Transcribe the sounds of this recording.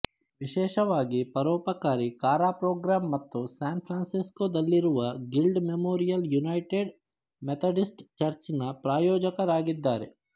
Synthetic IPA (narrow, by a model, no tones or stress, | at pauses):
ʋiʃɛːʃɐʋaːɡipɐɾɔːpɐkaːɾikaːɾaːpɾoːɡɾaːmːɐt̪ːusaːnpʰɾaːnsiskoːd̪ɐlːiɾuʋɐɡilɖmemoːɾijɐljunɐjʈeɖ | met̪ʰɐɖisʈt͡ʃɐɾt͡ʃnɐpɾaːjɔːd͡ʒɐkɐɾaːɡid̪ːaːɾḛ